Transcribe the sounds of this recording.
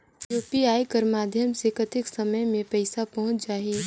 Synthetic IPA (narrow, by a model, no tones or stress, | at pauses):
juːpiaːikɐɾmaːd̪ʱjəmsekɐt̪ʰɪksɐməjmẽpɛɪsapɐɦʊ̃t͡ʃd͡ʒaːɦiː